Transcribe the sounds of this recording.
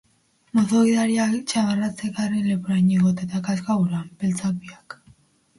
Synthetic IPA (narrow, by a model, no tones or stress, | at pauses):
moθoɣiðaɾiat͡ʃaβarat͡sekaɾenlepuɾajɲiɣot̪et̪akaskaɣuɾampelt͡sakβiak